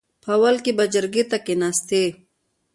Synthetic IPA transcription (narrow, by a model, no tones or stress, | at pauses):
pʰawalkibɐd͡ʒəɾɡet̪akenast̪e